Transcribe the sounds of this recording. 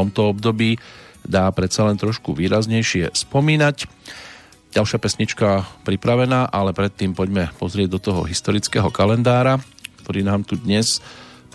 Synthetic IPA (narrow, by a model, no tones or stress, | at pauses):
ɔmt̪ɔɔbd̪ɔbiːd̪aːpɾɛt̪t͡salɛnt̪ɾɔʃkuʋiːɾazɲɛjʃɪɛ̰spɔmiːnac | ɟalʃapɛsɲit͡ʃkapɾipɾaʋɛnaːʔalɛpɾɛt̪ːiːmpɔɟmɛpɔzɾɪɛɟd̪ɔt̪ɔɦɔ̰ɦist̪ɔɾit͡skɛɦɔkalɛnd̪aːɾak̚t̪ɔɾiːnaːmt̪ud̪ɲɛs